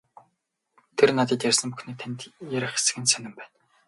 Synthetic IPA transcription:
t̪ʰernat̪ĭːt̪jærʲsə̆mpuxneːt̪ʰænt̪jæɾʲɪ̆χe̥sɘ̆kɘ̆nt̪sœnɪ̆mpæːn

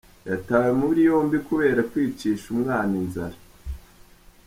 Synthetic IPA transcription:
jataːwemuβɾijo̞ːmbikuβe̞ːɾakwiːt͡ʃiːʃumŋaːninzaɾa

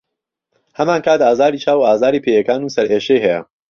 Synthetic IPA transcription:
hɐmaːnkʰaːt̪aːzaːɾiːt͡ʃʰaːwuaːzaːɾiːpʰejɐkaːnuːsɐɾeːʃejɦɛjɐ̰

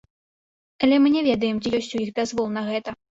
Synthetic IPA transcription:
ɐlʲɛmɨnʲɛvʲɛd̪ɐjɛmt͡sʲijɔsʲt͡sʲujixb̪ʲazvɔlˠnɐɣɛt̪ɐ

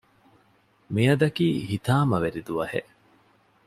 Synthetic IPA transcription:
mijɐd̪ɐkiːhit̪aːmɐʋeɾid̪uʋɐhḛʔ

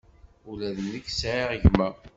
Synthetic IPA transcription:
ulæðənːəkːsʕiʁəʝmæ

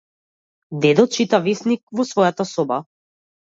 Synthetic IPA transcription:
d̪ɛd̪ɔt̪̚t͡ʃit̪avɛsnik̚vɔsvɔjat̪asɔba

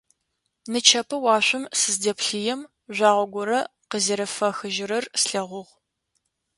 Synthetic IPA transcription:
nɨt͡ʃʰɐpʰɨwɑːɕʷʊmsɨzdɐpɬijɛm | ʒʷɑːʁʷɔɡʷɔɾɐqəzɐɾɐfɐxɨʒɪɾɐrsɬɐʁʷʊʁ

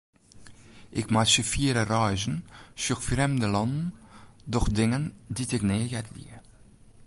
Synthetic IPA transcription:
ɪkmaʃəfiːəɾərɑjʒənʃyxfrɛmdəlɑndndɔxdɪŋənditɪkneːɣɛtlḭ

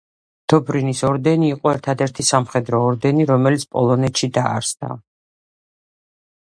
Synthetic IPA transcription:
d̪̥ɔbɾinisɔɾd̪ɛniːqʼɔɛɾt̪ʰad̪ɛɾt̪ʰisamχɛd̪ɾɔːɾd̪ɛniɾɔmɛlit̪sʰpʼɔ̰lˠɔnɛt̪ʃid̪aːɾsd̪a̰

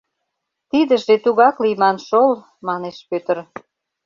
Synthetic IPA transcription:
t̪id̪ə̆ʒet̪uɣɑklijmɑnʃol | mɑneʃpøt̪ər

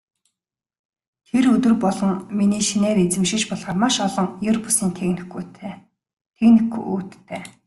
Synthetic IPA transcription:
t̪ʰerɵt̪ɵ̆rpɔɮɞ̆ŋminiːʃineːɾet͡sɘ̆mʃɪ̆kt͡ɕpɔɮʁaːrmaʃɔɮɞ̆ŋjɵrpusiːnt̪ʰenutː | t̪ʰeknĭkṵṵːt̪ːʰeː

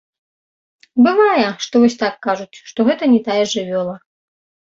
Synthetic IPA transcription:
bɨvajɛʂt̪ɔvɔsʲt̪akːaʐut͡sʲʂt̪ɔɣɛt̪ɐnʲɛt̪ajɛʐɨvʲɔlˠɐ

